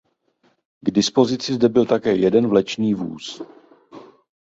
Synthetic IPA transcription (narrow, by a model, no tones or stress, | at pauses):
ɡdɪspo̞zɪt͡sɪzdɛbɪlt̪akɛːjɛdɛnvlɛt͡ʃniːvṵːs